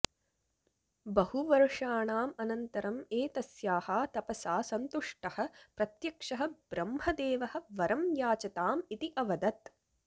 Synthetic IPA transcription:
bɐhuʋɐɾʂaːɳaːmɐnɐnt̪ɐɾɐmeːt̪ɐsjaːhaːt̪ɐpɐsaːsɐnt̪uʂʈɐhɐ̆pɾɐt̪jɐkʂɐɦɐ̆b̥ɾɐmhɐd̪eːʋɐhɐ̆ʋɐɾɐmjaːt͡ʃɐt̪aːmit̪iʔɐʋɐd̪ɐt̪

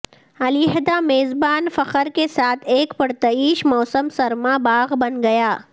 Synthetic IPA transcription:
ɐliɦəd̪ameːzbaːnfɐqəɾkesaːt̪ʰeːkpɐɽt̪ɐiːʃmɔːsəmsɐɾmabaːɣbɐnɡɐjaː

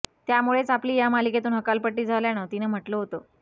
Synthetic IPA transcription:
t̪jamuɭet͡sapliːjamaliket̪uːnɦəkalpəʈːiːd͡zʱaljañət̪inəm̤əʈloɦot̪o

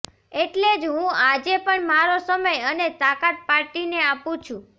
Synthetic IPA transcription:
eʈled͡ʒɦũad͡ʒepəɳmaɾosəməjənet̪akat̪̚paɾʈineapũt͡ʃʰũ

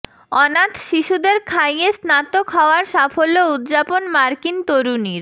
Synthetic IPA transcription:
ɔnat̪ʃiʃud̪eɾkʰajesnat̪okɦɔoaɾʃafolːoud̪d͡ʑaponmaɾkint̪oɾuniɾ

